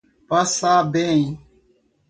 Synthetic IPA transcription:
pəsaːbeːĩ

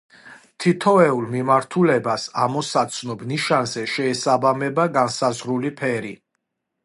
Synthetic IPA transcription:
t̪ʰit̪ʰɔɛulˠmimaɾt̪ʰulɛbasamɔsat̪sʰnɔbniʃanzɛʃɛːsabamɛbaɡansazʁɾulipʰɛɾi

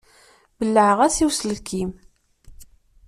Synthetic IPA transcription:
bəlːəʕəʁæsiwsləkʰːim

